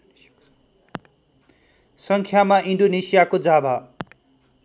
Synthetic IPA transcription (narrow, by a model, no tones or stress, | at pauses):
sʌŋkʰjamaʔinɖonesijakod͡zabʱa